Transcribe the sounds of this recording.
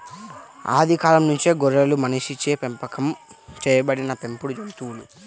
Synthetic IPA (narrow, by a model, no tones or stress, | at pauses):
a̰ːd̪ikaːlɐmnuɲt͡ʃeːɡɔɾːɐlumɐnɐʃit͡ʃeːpempɐkʰɐmt͡ʃɛːjɐbɐɽinɐpe̞mpuɽud͡ʒoɽut̪uːlu